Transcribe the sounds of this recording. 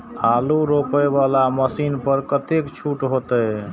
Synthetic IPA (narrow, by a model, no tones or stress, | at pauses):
aluɾokəbalaməsinpəɾkət̪ekt͡ʃʰuʈɦot̪əj